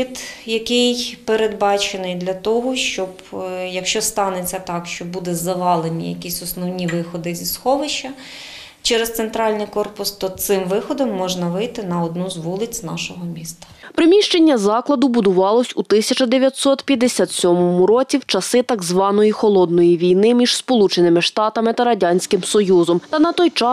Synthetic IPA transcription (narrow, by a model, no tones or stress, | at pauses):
id̪jɐkɪjpeɾed̪bɑt͡ʃenɪjd̪lʲɐt̪ɔɦɔʃt͡ʃɔbjɐkʃt͡ʃɔst̪ɑnet͡sʲːɐt̪ɑkʃt͡ʃɔbud̪ɛzɐʋɑlˠenʲḭjɐ̰kʲisʲɔsnɔwnʲiʋɪxɔd̪ɪzʲisxɔʋɪʃɐ | t͡ʃɛɾest̪sent̪ɾɑlʲnɪjkɔrpʊst̪ɔt̪sɪmʋɪxɔd̪ɔmːɔʒnɐʋɪjt̪ɪnɐɔd̪nuzʋulˠɪt͡sʲznɑʃɔɦɔmʲist̪ɐ̥pɾɪmʲiʃt͡ʃe̞nʲːɐzɑklˠɐd̪ʊbʊd̪ʊʋɑlˠɔsʲut̪ɪsʲɐt͡ʃɐd̪eʋʲjɐt̪ʲsɔt̪pʲjɐd̪esʲat̪sʲɔmɔmʊɾɔt͡sʲiwt͡ʃɐsɪt̪ɐɡzʋɑnɔjixɔlˠɔd̪nɔjiʋʲijnɪmʲiʒ̥spɔlˠut͡ʃenɪmɪʃt̪ɑt̪ɐmɪt̪ɐɾɐdʲanʲsʲkɪmsɔjuzɔmt̪ɐnɐt̪ɔjt͡ʃɑ